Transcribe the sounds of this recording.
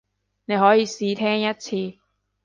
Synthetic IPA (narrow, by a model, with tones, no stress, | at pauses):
ne˨˧jɦɔː˨˥jiː˨˧siː˨˧t̪ʰɛː˥ŋjɐ˥t̚t͡sʰiː˧